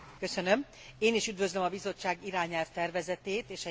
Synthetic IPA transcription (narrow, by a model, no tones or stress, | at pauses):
kø̞sønøm | eːniʃyd̪vøzlømɒbizo̞t͡ʃːaːɡiɾaːɲɛlft̪ɛrvɛzɛt̪eːt̪eːʃɛ